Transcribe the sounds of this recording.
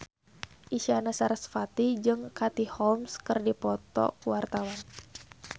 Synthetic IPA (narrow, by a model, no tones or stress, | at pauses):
ʔiʃanasaɾasfat̪id͡ʒɨŋkat̪ihɔlmskɨrdipɔt̪ɔ̰kuwart̪awan